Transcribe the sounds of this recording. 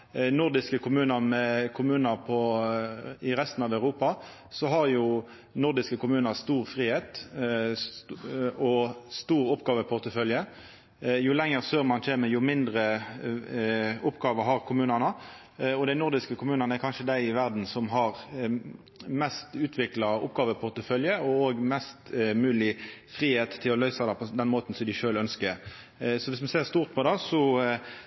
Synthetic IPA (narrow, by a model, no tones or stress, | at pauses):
nʊʁd̪ɪskəkʰʊmʉːnəʁmɛkʰʊmʉːnəʁpʰɔ | ɪʁɛst̪n̩ɑʋæʉɾuːpɑ | sɔɦɑʁjʊ | nʊʁd̪ɪskəkʊmʉːnəʁst̪uːʁfʁiːheːt̪ | ɔst̪uːɾʊpːɡɑːʋəpʰʊʁt̪əfœljə | jʊlɛŋːəʁsøːʁmɑnc͡çʰeːməjʊmɪnd̪ʁə | ʊpɡɑːʋəɦɑʁkʰʊmʉːnɑnə | ɔd̪æɪnʊʁd̪ɪskəkʰʊmʉːnɑnəækʰɑnʃəd̪æɪɪʋæʁd̪n̩sɔmɦɑʁ | mɛst̪ʉːt̪ʰʋɪklɑʊ̰pɡɑːʋəpʰʊʁt̪əfœljəɔoːɡmɛst̪mʉːlɪfʁiːheːt̪ʰːɪlɔlœʏsɑd̪ɛpʰɔd̪ɛnmoːt̪n̩sɔmd̪ɪʃøːlœnskəɾ | sɔʋɪsmɛseːʁst̪uːʁt̪̚pʰɔd̪ɑsɔ